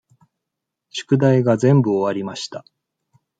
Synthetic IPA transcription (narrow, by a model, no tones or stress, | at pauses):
ɕɨ̥kɯ̟d̪aiɡazẽ̞mbɯ̟oβaɾʲimaɕi̥t̪a